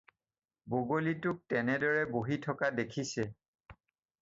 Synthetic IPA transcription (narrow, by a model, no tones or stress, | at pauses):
boɡolitʊk̚tɛnɛdɔɹɛboɦitʰɔkadekʰisɛ